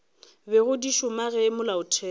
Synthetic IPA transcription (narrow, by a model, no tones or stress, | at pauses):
bɛɣʊdiʃʊmaɣɛmʊlaʊtʰɛː